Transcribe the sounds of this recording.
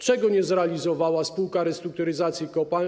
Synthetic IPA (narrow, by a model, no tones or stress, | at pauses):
t͡ʂɛɡɔɲɛzɾɛalʲizɔvawaspuwkaɾɛst̪ɾuk̚t̪uɾɘzat̪sʲjikɔpal